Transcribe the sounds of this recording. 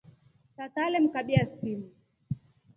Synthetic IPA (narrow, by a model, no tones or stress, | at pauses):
tatalɛm̩kaɓiasimi